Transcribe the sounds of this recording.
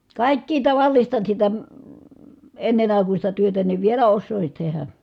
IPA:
kɑˑikːiː tɑʋɑlːistɑ sitæ enːen ɑˑikusʲtɑ tyøtæ niʋ ʋielæ osːoˑisin̞ tehæ

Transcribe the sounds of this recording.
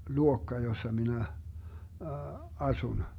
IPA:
luokːɑ josːɑ minæ ɑsun

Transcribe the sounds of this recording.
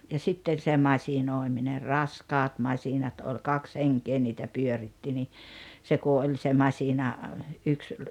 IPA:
jɑ sitːen̞ se mɑsinoˑemine rɑskɑːt mɑsinɑt ol kɑks heŋkeː niːtæ pyøritːi ni se ku olʲ se mɑsinɑ yks

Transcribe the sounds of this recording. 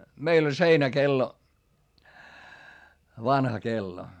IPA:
meil olʲ seinækelːo ʋɑnhɑ kelːo

